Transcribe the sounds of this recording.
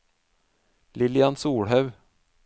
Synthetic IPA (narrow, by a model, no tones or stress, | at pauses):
lɪlɪansuːɽɦœʉ